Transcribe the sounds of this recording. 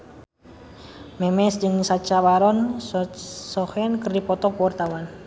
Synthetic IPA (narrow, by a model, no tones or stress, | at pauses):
mɛmɛsd͡ʒɨŋsat͡ʃabaɾɔn | sɔhɛnkərdipɔt̪ɔkuwart̪awan